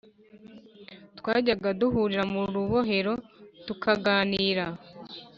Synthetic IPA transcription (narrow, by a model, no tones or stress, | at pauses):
twaːɟaɡaduɦuːɾiɾamuɾuβo̞ɦe̞ɾo̞tukʰaɡaːniːɾa